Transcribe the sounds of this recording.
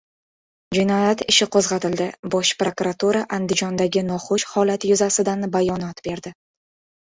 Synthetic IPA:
d͡ʒɪnɒjat̪ɪʃɪqʰozʁɑt̪ɪld̪ɪbɒʃpɾokuɾat̪uɾaʔand̪ɪd͡ʒɒnd̪aɡʲɪnɒχoʃhɒlat̪jʊzasɪd̪anbajɒnɒt̪be̞ɾd̪ɪ

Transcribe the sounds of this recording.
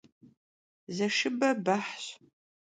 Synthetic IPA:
zɐʃɪbɐbaħɕ

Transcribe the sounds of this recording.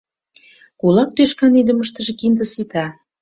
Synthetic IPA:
kulɑk̚t̪øʃkɑnid̪ə̆məʃt̪ə̆ʒĕkind̪ə̆sit̪ɑ

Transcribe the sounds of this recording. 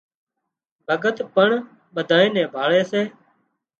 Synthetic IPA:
bʱəɡət̪pəɳ | ɓəd̪ʱaːẽːnɛ̃ːbʱaːɭɛːseː

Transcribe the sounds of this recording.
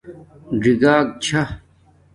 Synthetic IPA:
ɖiɡaːk̚t͡ɕʰa

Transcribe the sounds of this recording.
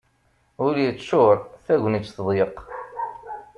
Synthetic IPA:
ʊɾijət͡sːʃʊɾˤθæʝʷnit͡sːθðˤjəq

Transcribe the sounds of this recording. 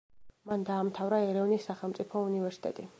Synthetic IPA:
mand̪aːmt̪ʰavɾaɛɾɛvnisːaχɛlˠmt̪sʼipʰɔunivɛɾsi̥t̪ʼɛ̰t̪ʼi

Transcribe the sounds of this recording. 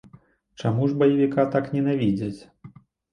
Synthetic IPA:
t͡ʂamuʐbɐjavʲikat̪aknʲɛnavʲid͡zʲɐt͡sʲ

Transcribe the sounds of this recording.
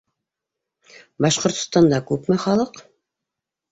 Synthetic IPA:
bɑʃqŏɾt̪ŏ̥st̪ɑnd̪ɑkʉpmɘχɑlˠɤq

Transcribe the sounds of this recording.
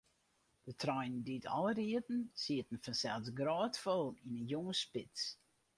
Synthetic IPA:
d̥ətʰrɔjnditʰɔ̰lˠəriətn̩siətn̩fɔnsɛlˠsɡrɔːtfɔlˠinənjoŋəspɪt͡ss

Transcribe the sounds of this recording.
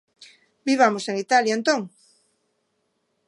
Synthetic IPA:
biβamoseŋit̪aljaent̪õŋ

